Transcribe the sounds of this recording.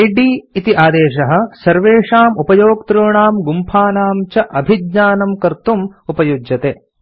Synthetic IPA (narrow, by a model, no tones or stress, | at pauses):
iɖiːit̪iʔaːd̪eːʂɐɦɐ̆sɐɾʋeːʂaːmupɐjoːk̚t̪ɾuːɳaːmɡumpʰaːnaːmt͡ʃɐʔɐbʱid̪ɲaːnɐmkɐɾt̪umupɐjud͡ʒjɐt̪eː